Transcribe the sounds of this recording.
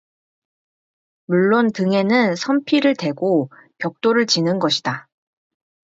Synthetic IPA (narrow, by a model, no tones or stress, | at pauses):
muɭːontɯŋe̞nɯnsʰʌmpʰiɾɯɭtwe̞ɡokjʌk̚t͈oɾɯɭt͡ɕinɯnɡʌɕʰi̥d̥a